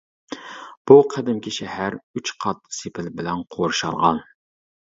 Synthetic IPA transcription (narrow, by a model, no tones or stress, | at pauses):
b̥uqʰæd̪ɪmkʲiʃɛhæɾyt͡ʃqʰɑt̪sepʰɪlbɪlɛnqʰoɾʃɑ̰lˠʁɑ̰n